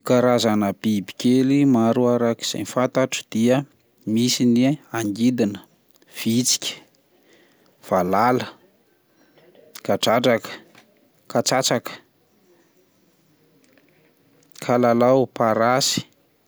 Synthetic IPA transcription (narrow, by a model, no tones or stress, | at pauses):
kaɾazanəbibi̥kʲelimaɾuaɾaki̥z̥a̰jnfant̪aʈ͡ʂə̥d̪̥iə | misiniaŋɡid̪inə̥ | v̥it͡si̥kʲə̥ | v̥alalə | kaʈ͡ʂaʈ͡ʂakə̥ | kat͡sat͡sakə̥ | kʰalalawpaɾasi̥